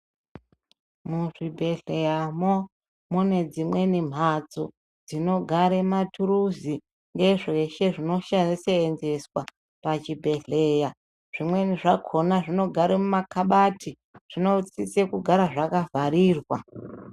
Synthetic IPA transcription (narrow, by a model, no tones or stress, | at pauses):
muʐibʱe̞ɮe̞jamo | mune̞d͡zimwe̞nim̤ʱad͡zo | d͡zino̞ɡʱaɾematuɾuzi | ŋɡe̞ʐe̞ʃe̞ʐino̞ʃaniseːnze̞swa | pat͡ʃibʱe̞ɮe̞ja | ʐ̥imwe̞niʐakʰo̞naʐino̞ɡʱaɾemumakʰaɓati | ʐ̥ino̞t͡sit͡sekuɡʱaɾaʐakavaɾiːrwa̰